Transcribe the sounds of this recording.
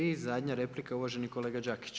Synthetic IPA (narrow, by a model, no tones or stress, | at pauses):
izad̪ʲɲaɾe̞plikauʋaʒe̞niko̞leːɡad͡ʒaki̥t͡ɕ